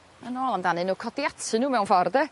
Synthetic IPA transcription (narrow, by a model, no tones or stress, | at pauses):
anoːlˠamdanɨnuːkʰɔdiatʰɪnuːmɛwnfɔrdɛ